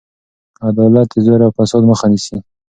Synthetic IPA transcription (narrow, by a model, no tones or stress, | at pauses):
ad̪ɑlat̪ːɪzoɾawfasɑd̪məxanisi